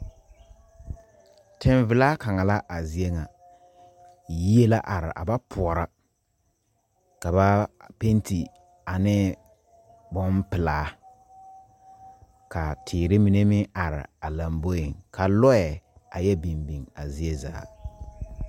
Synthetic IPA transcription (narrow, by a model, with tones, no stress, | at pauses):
tɪ˨ɱvɪ˨laː˦ka˨ŋa˨la˦ʔa˨zi˦e˦ŋa˨ | ji˦e˦la˦ʔa˨ɾɪ̰˨ʔa̰˨ba˦pʰʊ˨ɔ˨ɾa˦ | ka˨ba˦pe˦nti˨ | a˨nɪ˦ | bɔ˦mpɪ˨laː˦ | ka˨tʰɪː˨ɾɪ˦mi˨ne˦mɪ˦a˨ɾɪ̰˨a˨la˨mbo˦jɪ˨ŋkʰa˨lɔ˦ɛ˨a˨jɛ˦bi˨mbi˨ŋa˨zi˦e˦za̰ː˨˦